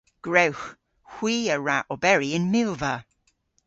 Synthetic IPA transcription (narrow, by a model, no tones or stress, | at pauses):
ɡ̥ɹɛwx | hw̥iːəɹaʔɔbɛɹiɪ̃nmɪlˠvə